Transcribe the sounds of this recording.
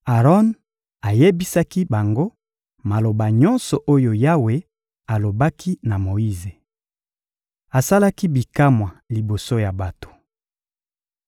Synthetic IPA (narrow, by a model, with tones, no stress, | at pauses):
a˨ʁɔ˦n | a˨je˦bi˦sa˦ki˦ba˨ŋɡo˦ | ma˨lo˨ba˨ɲɔ̃˦nsɔ˨ʔo˦jo˨ja˦we˨ | a˨lo˨ba˦kʰi˦na˨mo˨i˦ze˨ | a˨sa˦la˦ki˦bi˨ka˦mwa˨li˨bo˨so˦ja˨ba˨to̥˨